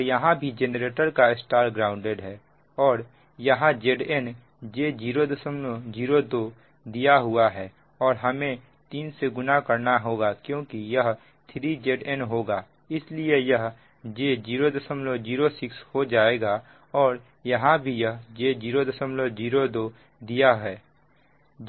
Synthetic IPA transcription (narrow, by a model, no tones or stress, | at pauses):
jɐɦãbʱid͡ʒenɾeːʈəɾkaɪsʈaːɾɡɾaːʊ̃ɳɖeːɖɦɛː | ɔːɾ | jɐɦãd͡ʒeːɖɛn | d͡ʒed͡ʒiːɾod̪əsəmlod͡ʒiːɾod̪oː | d̪ijaɦʊaɦɛː | ɔːɾɦɐmẽ | t̪iːnseɡʊnakəɾnaɦoːɡakjõːkijɐɦ | t̪ʰɾid͡ʒeːɖɛnɦoːɡaː | ɪsliejɐɦ | d͡ʒeːd͡ʒiːɾod̪əsəmlod͡ʒiːɾosɪkshod͡ʒaːeːɡa | ɔːɾ | jɐɦãbʱijɐɦd͡ʒed͡ʒiːɾod̪əsəmlod͡ʒiːɾod̪oː | d̪ijaɦɛː